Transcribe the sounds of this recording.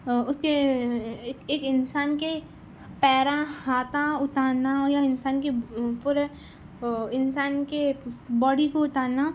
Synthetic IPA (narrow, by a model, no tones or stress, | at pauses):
ʊske | eːkɪnsaːnke | pɛːɾãhaːt̪ãʊt̪aːnajaɪnsaːnkepʊɾ | ɪnsaːnkebɔːɽikoʊt̪aːna